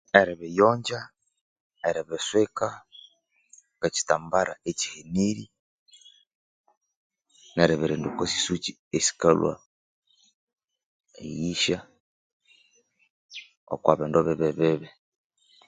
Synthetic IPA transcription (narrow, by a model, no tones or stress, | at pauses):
eɾɛβejɔɲd͡ʒa | eɾɛβesweka | keci̥tambaɾa̰et͡ʃi̥heniɾi | nɛɾeβeɾendukosi̥sut͡ʃi | esi̥kalwa̰ | ḛjiʃa | ɔ̰kwaβendoβeβeβeβɛ